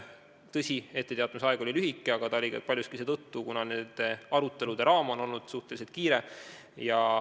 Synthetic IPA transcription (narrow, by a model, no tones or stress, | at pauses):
t̪ɤsʲie̞t̪ːe̞t̪eɑt̪umisɑeɡ̥o̞lʲilyɦikːˑeɑɡ̥ɑt̪ɑolʲipɑlʲjuskise̞ːt̪ɤt̪ːukunɑneːd̪̥eɑɾut̪ːˑe̞lud̪̥e̞ɾɑːmono̞lnud̪̥suht̪e̞lis̬et̪̚kiːɾe̞ | jɑ